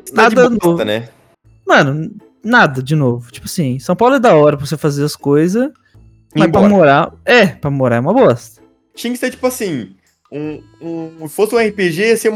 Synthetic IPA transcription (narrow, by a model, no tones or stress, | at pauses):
nad͡ʒb̪d̪ɐɔnovɐnɛ̰ | mɐ̃nʊ̃ | nad̪ɐd͡ʒɪnovʊt͡ʃi̥pʊasĩsɐ̃w̃pawlʊɛd̪aɔɾɐpɾɐvosefazeɾɐskojzɐs | mɐsbpɾamoɾaɛpɾɐmoɾaɛũmɐbɔst̪ɐ̥ | t͡ʃĩj̃kɪseɾt͡ʃi̥pʊasĩ | ũ | ũfosɪũɛhipeʒeɛseũm